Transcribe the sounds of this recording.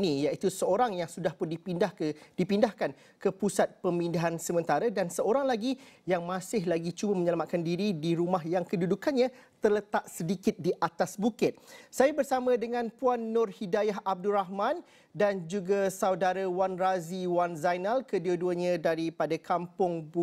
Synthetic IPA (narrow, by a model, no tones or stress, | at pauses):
nĩjaʔit̪usəoɾaŋjaŋsudahpʊndipindahd̥ipindahkan | kəpusat̪̚pəmindaɦansəmə̃nt̪aɾadansəoɾaŋlaɡijaŋmãsɪɦlaɡit͡ʃubəmə̃ɲəlamat̪̚kandiɾidiɾumaɦjaŋkədudukanɲã | t̪ərlət̪aʔ̚sədikɪt̪̚diʔat̪asbukɪt̪̚sajabərsamə̃dəŋãnpuanːʊrhidajaɦab̚duɾaɦmãn | dand͡ʒuɡasaudaɾawanraziwanzajnalkəduaduəɲãdaɾipadakʰampʊŋbu